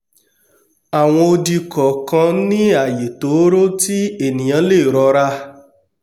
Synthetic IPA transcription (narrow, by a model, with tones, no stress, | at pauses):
a˨w̃ɔ̃˧o˧di˧kɔ˨kã˧nĩ˦a˦˨je˨to˨˦ɾo˦ti˦e˦˨nĩ˨ã˨˦le˦˨ɾɔ˧ɾa˦